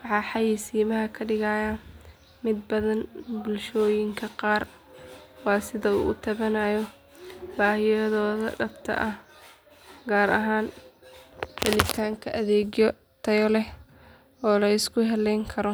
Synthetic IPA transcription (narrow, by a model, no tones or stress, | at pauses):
wɑħɑːħɑjiːsiːmɐɦɐkʰɐɖɪɣaːjaː | mɪd̪̚bɐðɐnbʊlʃɔːjɪŋkʰɐqɑːr | wɑːsɪðɐṵːʔːt̪ʰɐβɐnaːjɔ | baːhɪjɔðɔːðɐ̰ɖɐbt̪ʰɐ̰ʔɐh | ɡaːɾɐ̰ɦaːn | fɪlɪt̪ʰaːŋkʰɐʔɐðɛːɣjɔ | t̪ʰɐjɔlɛ | ɔːlɐɪskʰʊɦɛlɛjŋkʰɐɾɔ